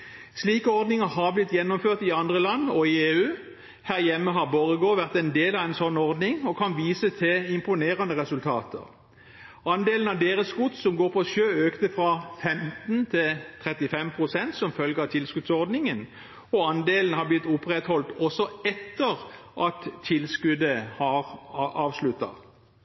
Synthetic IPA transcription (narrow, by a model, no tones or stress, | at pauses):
sliːkəɔʁd̪nɪŋəɦɑʁblɪt̪jɛnːɔmføːʁt̪ɪɑnd̪ʁəlɑnːɔɪeːʉː | hæːʁjɛmːəɦɑʁbɔʁəɡoːʋæʁt̪ɛnd̪eːlɑʋɛɪnsɔnːɔʁd̪nɪŋɔkʰɑnʋiːsət̪ʰɪɪmpʊneːʁənəʁɛsʉlt̪ʰɑ̰ːt̪ə̰ʁ | ɑnd̪eːlənɑʋd̪eːʁəsɡʊt̪sɔmɡoːʁpʰɔʃøːøːkt̪əfʁɑfɛmt̪n̩t̪ʰɪlt̪ʰʁɛt̪ɪfɛmpʰʁʊsɛnt̪sɔmfœlɡəɑt̪ʰɪlskʉd̪sɔʁd̪nɪŋən | ɔɑnd̪eːlnhɑblɪt̪ːʊpʁɛt̪hɔlt̪ɔsɔɛt̪ːəʁʔɑt̪ʰːɪlskʉd̪əhɑʁɑːʋslʉt̪ːɑ̰